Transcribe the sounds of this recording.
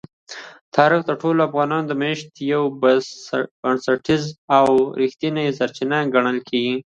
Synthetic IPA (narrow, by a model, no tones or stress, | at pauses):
t̪ʰɑɾɪxd̪əɾʈoloafɣɑnɑnod̪əmeʃt̪jawb | aɳsaɾʈizawɾixt̪inasaɾt͡ʃinaɡaɳəlkʰeɡi